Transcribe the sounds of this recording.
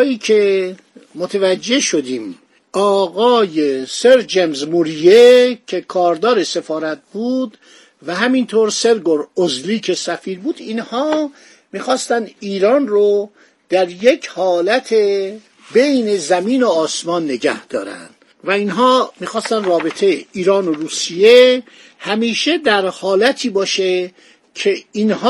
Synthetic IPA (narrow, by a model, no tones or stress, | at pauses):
jiːkʰe | mot̪ʰevæd͡ʒːe̞ʃo̞d̪iːm | ɒːɣɒːjeseɾd͡ʒemzmuɾijecʰe̞kʰɒːɾd̪ɒːɾese̞fɒːɾæt̪̚buːd̪ | væɦæmint̪ʰoːɾse̞ɾɡoɾozliːkʰe̞sæfiːɾbuːd̪̥iːnhɒː | miːxɒːst̪ænd̪iːɾɒːnro | d̪̥æɾjecʰhɒːlæt̪ʰe | be̞jne̞zæmiːnoɒːsmɒːnːe̞ɟæ̰hd̪̥ɒːɾæ̰nd̪̥ | væinɦɒːmiːxɒːst̪ænd̪rɒːbe̞t̪ʰejeiːɾɒːnoɾuːsije̞ | hæmiːʃed̪æɾhɒːlæt̪ʰiːbɒːʃe | cʰe̞inh